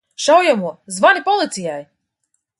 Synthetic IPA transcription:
ʃawjamuɔzvanʲipɔlˠit̪sijaj

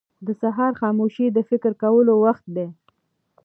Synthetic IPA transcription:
d̪əsaɦɑɾxɑmoʃid̪əfɪkɾkawəlowaxt̪̚d̪e

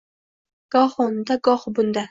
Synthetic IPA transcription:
ɡ̥ɒχond̪aɡɒχbʊnd̪a

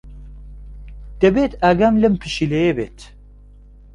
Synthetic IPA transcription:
d̪̥ɛbet̪æɡamlɨmpʰɨʃilejebet̪

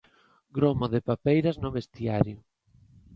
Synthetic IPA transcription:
ɡɾomoðɪpapejɾaznʊβest̪iaɾjʊ

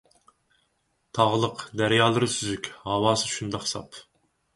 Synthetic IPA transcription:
t̪ʰɑʁlˠəqd̪æɾjɑːlˠɨɾɨsyzykʲhɑwɑːsɨʃund̪ɑqsɑ̰p

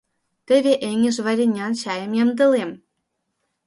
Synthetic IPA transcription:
t̪ɘ̆vʲeʔeŋĕʒvɑɾʲenʲɑnɕɑjə̆mjɤmd̪ɤ̆lem

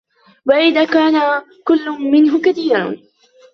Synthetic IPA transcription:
waʔɪðaːkaːna | kʊlːʊmɪnɦʊkaθiːɾˤan

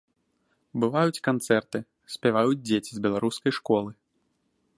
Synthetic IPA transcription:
bɨvajut͡sʲkant̪sɛrt̪ɨ | sʲpʲavajud͡zʲd͡zʲet͡sʲizbʲɛlˠaɾuskɐjʂkɔlˠɨ

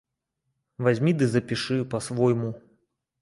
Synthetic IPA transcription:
vazʲmʲid̪ɨzɐpʲiʂɨpɐsvɔjmu

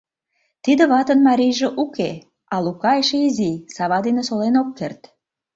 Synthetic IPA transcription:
t̪id̪ə̆βɑt̪ənmɑɾʲijʒĕʔuke | ɑlukɑeʃeizisɑβɑd̪enesolenokːert̪

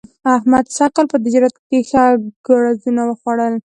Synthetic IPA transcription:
ahmad̪saqalpəd̪ɪd͡ʒɾat̪̚kpexaɡ̥aɽazunawəxwaɽəl

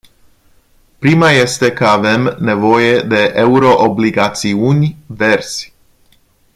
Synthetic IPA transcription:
pɾimaje̞st̪e̞kəave̞mne̞vo̞je̞d̪e̞ʔeuɾo̞ʔobliɡat̪siunʲve̞rz̥ʲ

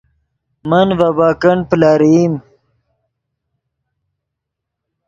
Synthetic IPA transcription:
mɐnvabaːkɐɳplaːɾim

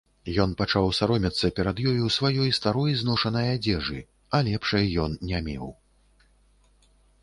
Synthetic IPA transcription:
jɔnpat͡ʂawsaɾɔmʲɐt̪sːɐpʲɛɾɐd̪jɔjuwsvajɔjst̪aɾɔjznɔʂɐnɐjad͡zʲɛʐɨ | ɐlʲɛpʂɐjːɔnnʲɛmʲɛ̰w

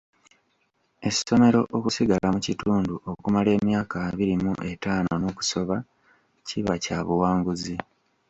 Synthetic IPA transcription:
e̞so̞me̞ɾo̞̰ʔokusiɡalamucituːnduʔo̞kumale̞ːmjaːkaβiɾimuʔe̞taːno̞no̞ːku̥so̞βa | ciβacaβuwaːŋɡuzi

